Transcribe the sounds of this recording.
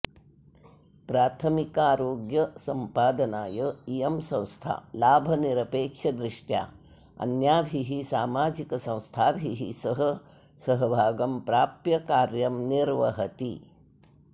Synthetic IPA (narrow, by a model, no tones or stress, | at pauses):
pɾaːt̪ʰɐmikaːɾoːɡjɐsɐmpaːd̪ɐnaːjɐijɐmsɐ̃w̃st̪ʰa̰ːlaːbʱɐniɾɐpeːkʂɐd̪ɾiʂʈja̰ː | ɐ̰njaːbʱiɦisaːmaːd͡ʒikɐsɐ̃w̃st̪ʰaːbʱiɦḭsɐɦɐ | sɐɦɐbʱaːɡɐmpɾaːpjɐkaːɾjɐmniɾʋɐɦɐt̪ḭ